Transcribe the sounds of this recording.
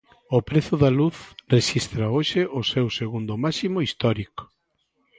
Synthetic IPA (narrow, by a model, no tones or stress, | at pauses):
ʊpɾeθʊðaluθreʃist̪ɾaoʃɪʔosewseɣund̪ʊmasimoist̪ɔɾiko̥